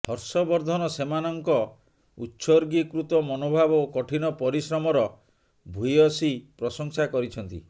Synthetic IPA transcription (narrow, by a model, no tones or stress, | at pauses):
hɔɾsɔbɔɾd̪ʱɔnɔsemanɔŋkɔ | utːsɔɾɡikɾut̪ɔmɔnobʱabkɔʈʰinɔpɔɾisɾɔmɔɾɔ | bʱujɔsipɾɔsɔŋsakɔɾit͡ʃʰɔnt̪ḭ